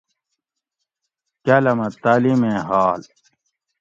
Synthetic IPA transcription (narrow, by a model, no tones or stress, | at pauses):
kɐlɐmɐt̪aːlimẽɦaːl